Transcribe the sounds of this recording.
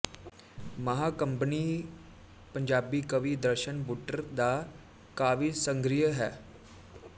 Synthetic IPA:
məɦaːkəmpəniː | pəɲd͡ʒaːbiːkəʋiːd̪əɾʃənbuːʈəɾd̪aː | kaːʋiːsə̃ŋɡɾijəɦɛː

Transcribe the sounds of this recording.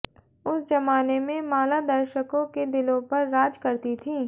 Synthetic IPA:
ʊsd͡ʒɐmaːnemẽmaːlad̪ɐɾʃəkõked̪ɪlõpɐɾːaːd͡ʒkɐɾt̪it̪ʰĩː

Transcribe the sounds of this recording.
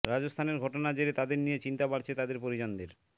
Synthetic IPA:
ɾad͡ʑost̪ʰaneɾɡʱɔʈonad͡ʑeɾet̪ad̪eɾnijet͡ɕint̪apaɾt͡ɕʰet̪ad̪eɾpoɾid͡ʑond̪eɾ

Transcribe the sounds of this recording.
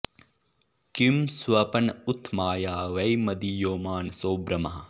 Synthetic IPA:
kimsʋɐpɐnut̪ʰmaːjaːʋɐjmɐd̪ijoːmaːnsoːbɾɐmɐɦɐ

